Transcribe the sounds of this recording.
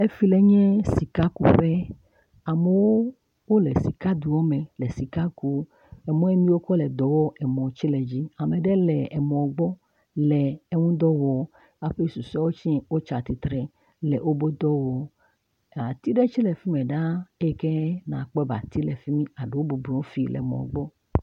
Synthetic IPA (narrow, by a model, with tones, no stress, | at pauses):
e˦fi˦lɛ˨ɲɛ̃˦si˨ka˦ku˨ɸɛ˦ | a˨me˨wo˦ | wo˦lɛ˨si˨ka˦d̪u˨wɔ˦mɛ̃˨lɛ˨si˨ka˦ku˦ | ɛ˨mɔ̃˦ɛ˦mĩ˦wo˦kɔ˦lɛ˨d̪ɔ˨wɔ˦ʔɛ˨mɔ̃˨t͡ɕi˦lɛ˨d͡ʑi˦a˨me˨ɖɛ˦lɛ˨ɛ˨mɔ̃˨ɡ͡bɔ˦ | lɛ˨e˦ŋũ˦d̪ɔ˦wɔ˨˦ | a˨ɸe˦su˨sɔ˦wo˦t͡ʃĩ˦wo˦t͡ʃa˨t̪i˨t̪ɾɛ˨ | lɛ˨ʔwo˦bo˦d̪ɔ˦wɔ˨˦˨ | a˨t̪i˦ɖɛ˦t͡ʃi˦lɛ˨fi˦mɛ̃˨ɖa˦e˦˨kɛ˦nã˨k͡pɔ˦ba̰˨t̪i˦lɛ˨fi˦mĩ˦a˨ɖe˨wo˦bu˨blɔ̃˨o˦fi˦lʔɛ̰˨mɔ̰̃˨ɡ͡bɔ˦